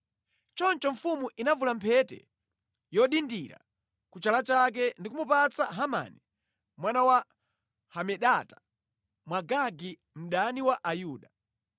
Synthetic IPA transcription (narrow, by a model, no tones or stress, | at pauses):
t͡ʃɔnt͡ʃɔɱfumuʔinavulampʰɛtɛ̰ | jɔɗindiɾa̰ | kut͡ʃalat͡ʃak̬ɛndikumupat͡saɦama̰ːni | mwanawa | hamɛɗatḁ | mwaɡaɡi | m̩ɗaniwaʔajuːɗa